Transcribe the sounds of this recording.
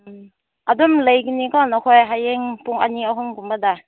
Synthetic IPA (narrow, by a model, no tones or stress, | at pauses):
ʔadumlejɡinikɔnakʰɔjɦajeŋpuŋa̰niaɦumɡumbada